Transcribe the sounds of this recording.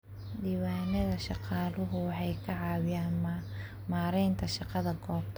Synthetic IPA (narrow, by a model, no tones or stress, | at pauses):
diːwaːnɐðɐʃɑqɑːlʊɦʊwɑħɑjkʰɐʕɑːwɪjaːnm | maːɾɛjnt̪ʰɐʃɑqɑðɐɡɔːb̚t̪ʰ